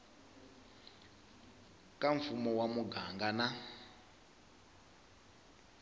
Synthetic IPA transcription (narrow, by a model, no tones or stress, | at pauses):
kaɱfumɔwamuɡaŋɡana